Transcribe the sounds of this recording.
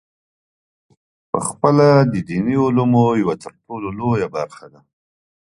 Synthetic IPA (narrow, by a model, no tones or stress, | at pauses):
pə̰xpəlad̪əd̪iniʊlumojawat̪ʰəɾʈololojabaɾxad̪a